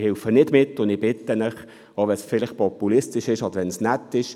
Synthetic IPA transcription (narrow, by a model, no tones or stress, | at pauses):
hɪlfənɪdmɪtːʊndɪb̥ɪtːənəχ | ovɛsfɪlɪχpʰɔpulɪstɪʃɪʃɑdʋɛnsnɛtːɪʃ